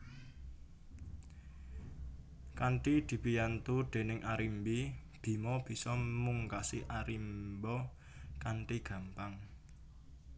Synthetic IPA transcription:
kaɳʈid̪̥i̤pijant̪ud̪̥e̤nɪŋʔaɾimbib̥i̤mɔb̥i̤sɔmuŋkasiʔaɾimbɔ | kaɳʈiɡ̥ä̤mpaŋ

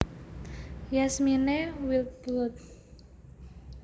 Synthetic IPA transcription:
jasminewilt̪̚bʊt̪̚

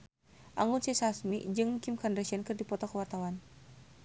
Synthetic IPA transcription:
ʔaŋunsisasmḭd͡ʒɨŋkimkandɾasiankɨrdipɔt̪ɔkəwart̪awan

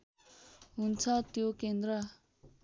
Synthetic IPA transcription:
ɦunt͡sʰʌt̪jokend̪ɾʌ

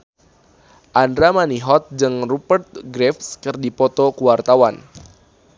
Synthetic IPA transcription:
ʔandɾamaniɦɔt̪̚d͡ʒɨŋrupərt̪̚ɡɾɛfskɨrdipɔt̪ɔkuwart̪awan

